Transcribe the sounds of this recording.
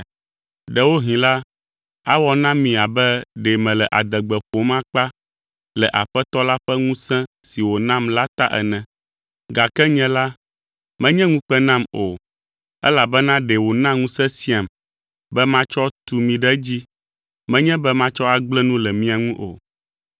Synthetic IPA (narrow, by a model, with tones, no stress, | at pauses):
ɖɛ˨wo˦ɦĩ˨la˦ | a̰˦wɔ˦nã˦mĩ˨a˨bɛ˦ɖɛ˨mɛ̃˨lɛ˨ʔa˨d̪ɛ˨ɡ͡bɛ˨ɸo˨˦mã˦k͡pa˦ | lɛ˨ʔa˨ɸɛ˦t̪ɔ˦la˦ɸɛ˦ŋũ˦sɛ̃˦ | si˨wo˨nã˦˨mla˦t̪a˦ʔɛ̰˨nɛ̃˨ | ɡa˨kɛ˦ɲɛ̃˦la˦ | mɛ̃˦ɲɛ̃˦ŋũ˦k͡pɛ˦nã˦mo˨ | ɛ̰˦la˨bɛ˦nã˦ɖɛ˨wo˨nã˦ŋũ˦sɛ̃˦si˦a˨m | bɛ˦mã˦t͡ʃɔ˦t̪u˨mĩ˨ɖɛ˦d͡ʑi˦ | mɛ̃˦ɲɛ̃˦bɛ˦mã˦t͡ʃɔ˦a˨ɡ͡blɛ˦nũ˦lɛ˨mĩ˦a˨ŋũ˦ʔo˨